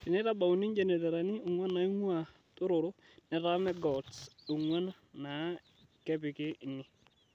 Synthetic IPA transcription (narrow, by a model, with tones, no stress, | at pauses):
ɪ˨nɛ˦ta˦ba˨u˨ni˦ɲd͡ʒe˨ne˨te˨ɾa˨nɪ˦ʊ˨ŋwa˦na˨i˦ŋwa˨ | tʊ˦ɾʊ˨ɾʊ˦ | nɛ˨ta˦mɛ˦ɡɔ˨dsu˨ŋwa˦n | na˨˦ | kɛ˦pɪ˨kɪ˦˨nɪ˦